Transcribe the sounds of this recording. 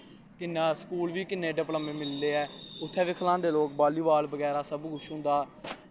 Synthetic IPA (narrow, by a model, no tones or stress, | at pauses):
kɪnːaːskuːlʋiːkɪneːɖɪpləmẽːmɪld̪eːɛːʊt̪ʰːɛːʋɪkʰlãːd̪eːloːk̚baːliːbaːlbəɡɛːɾaːsəbɡʊʃɦʊ̃ːnd̪aː